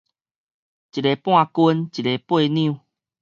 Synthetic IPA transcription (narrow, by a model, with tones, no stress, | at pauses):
t͡ɕi˨ɾe˨pw̃ã˥˧ku˧nt͡ɕi˨le˨pwe˥˧nĩ˦˧˨